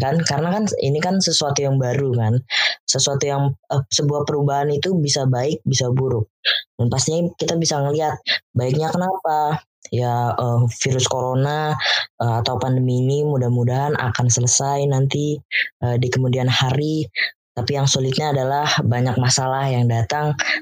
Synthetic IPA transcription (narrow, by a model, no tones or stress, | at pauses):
kankaɾənakanḭnikansəsuat̪ujaŋbaɾukansəsuat̪ujaŋəsəbuahpəɾubaɦanit̪ubisabaɪk̚bisabuɾʊk̚danpast̪iɲakit̪abisaŋəliɦat̪̚baɪk̚ɲakənapa | jaəfiɾʊskoɾonaəat̪awpandəmiːnimudahmudaɦana̰kansələsajnant̪iʔədikəmudianhaɾit̪apijaŋsolɪt̪̚ɲaːdalahbaɲak̚masalahjaŋdat̪aŋ